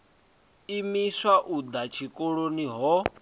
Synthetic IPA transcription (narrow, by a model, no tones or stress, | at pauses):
imiswaʔud̪at͡ʃʰikʼoɺoniɦɔ